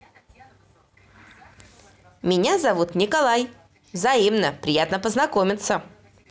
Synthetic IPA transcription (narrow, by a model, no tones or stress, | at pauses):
mʲɪnʲazɐvut̪nʲɪkalˠaj | vzɐimnəpɾʲɪjat̪nəpəznɐkomʲɪt̪sə